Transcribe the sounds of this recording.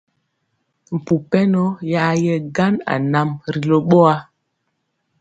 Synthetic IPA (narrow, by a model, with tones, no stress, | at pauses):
m̩˨pu˨pɛ˦no˦ja˦jɛ˦ɡa˦na̰˨na˨mɾi˨lo˦ɓɔ˦a˦